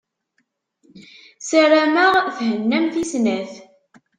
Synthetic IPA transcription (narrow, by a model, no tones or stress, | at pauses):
səraməʁθhənːæmθisnæθ